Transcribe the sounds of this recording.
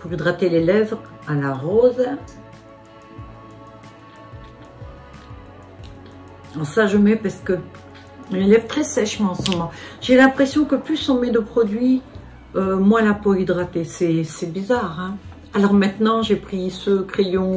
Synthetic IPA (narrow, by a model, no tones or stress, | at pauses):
puʁid̪ʁat̪elelɛvʁ | alaʁoz | ɑ̃saʒəmɛpaʁsə̥kə | ynelɛvt̪χɛsɛʃmɑ̃ɑ̃smɔmɑ̃ʒ̥elɛ̃pχesjɔ̃kəplysɔ̃mɛd̪əpχɔd̪ɥi | ømwɛ̃lapoid̪ʁat̪esɛsɛbizaʁɛ̃ | alɔʁmɛ̃t̪nɑ̃ʒepχisəkχejɔ̃